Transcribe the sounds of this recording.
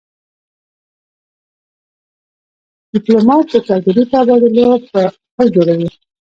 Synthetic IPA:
d̪̥ɪplomɑt̪̚d̪ət͡ʃɑɡaɾit̪aːbɑd̪əlopə | əd͡ʒoɽawi

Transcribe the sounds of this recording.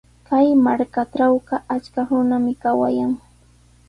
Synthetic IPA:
kajmaɾkaʈ͡ʂawɢɑʔat͡ʃkaɾʊnamɪkawa̰jaŋ

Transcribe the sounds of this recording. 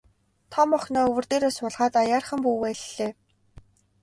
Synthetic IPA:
t̪ʰɔmɔχnɔːɵwɵ̆rt̪eːɾoːsʊɮʁaːt̪ajaːrχə̆mpuːwæːɮɮeː

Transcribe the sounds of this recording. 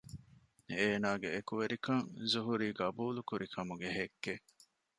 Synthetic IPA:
eːnaːɡeːkuʋeɾikɐŋzuɦuɾiːɡɐbuːlukuɾikʰɐmuɡeɦekːe

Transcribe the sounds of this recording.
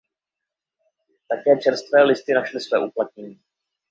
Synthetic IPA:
t̪akɛːt͡ʃɛɾst̪vɛːlɪst̪ɪnaʃlɪsvɛːʔuplat̪̚ɲɛɲiː

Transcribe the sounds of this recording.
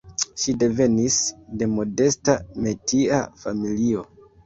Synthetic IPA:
ʃide̞ve̞nisde̞mo̞de̞stame̞tia̰familio̞

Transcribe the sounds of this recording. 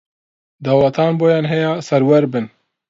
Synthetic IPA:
d̪ɑːwlat̪ʰɑːnboːjaːnɦɛjaːsɛɾwɛɾbɨn

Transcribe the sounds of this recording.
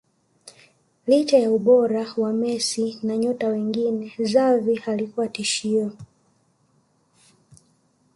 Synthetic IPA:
lit͡ʃajauɓɔɾawamɛsinaɲɔtawɛŋɡinɛzavihalikuwatiʃiɔ

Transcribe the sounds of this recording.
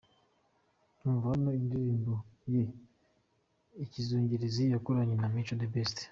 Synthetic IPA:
nuːɱvanoindiɾiːmboje | icizuːɲɟiɾizijakoɾaɲenamiːt͡ʃodebesti̥

